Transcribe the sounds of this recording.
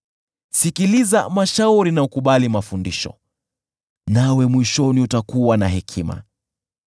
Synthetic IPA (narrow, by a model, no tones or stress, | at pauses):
sikiliza̰maʃauɾinaukuɓalimafundiʃɔ̰ | nawɛmwiʃɔniutakuwanaɦɛkʰima̰